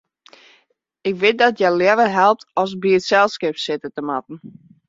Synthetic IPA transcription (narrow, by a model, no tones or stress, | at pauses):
ɪkʋɪt̚dɔtjɛljɛʋəɦɛlˠp̚tɔs̬biətsɛlˠskɪpsɪtətəma̰tn̩